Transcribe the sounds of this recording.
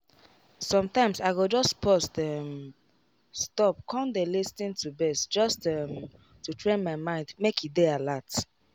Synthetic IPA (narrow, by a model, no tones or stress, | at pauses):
sɔ̃mtãɪ̃msaɪɡod͡ʒɔspʰɔstɛm | stɔp̚kʰɔ̃ndelistĩntʰubɛsd͡ʒɔstɛm | tutʰɹẽnmaɪmãɪ̃ndmekʰjidealat